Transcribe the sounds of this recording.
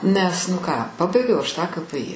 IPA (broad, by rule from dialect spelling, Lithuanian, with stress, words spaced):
ˈnʲɛs nʊ ˈkɑː ˈpɑːbɐɪɡʲɛʊ ˈɐʃ tɑː kɐ pɘ ɪ